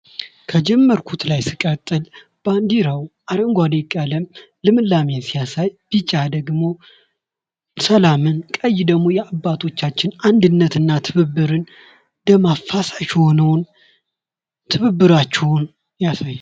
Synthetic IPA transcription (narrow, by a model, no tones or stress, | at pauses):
kʰəd͡ʒɛmːəɾkʰut̪lajsɨkʼət̪ʼːɨl | b̥and̪iɾəwʔaɾəŋɡʷalekʼːaləm | lɨmɨlːamensijasajb̥ɨt͡ʃʼːad̪əɡmo̞ | səlamɨnkʼəjːd̪əɡmo̞jɛabːat̪ʰo̞t͡ʃːat͡ʃːɪnand̪ɨnːət̪ɨnːat̪ʰɨβɨbːɨɾɨn | d̪əmafasaʃho̞nəwn | t̪ʰɨβɨbːɨɾat͡ʃːɛwʊn | jasajːa